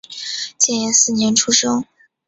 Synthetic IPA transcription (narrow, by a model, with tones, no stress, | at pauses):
t͡ɕjɛ˥˩njɛ˧˥nsɹ̩˥˩njɛ˧˥nʈ͡ʂʰu˥ʂɤ˥ŋ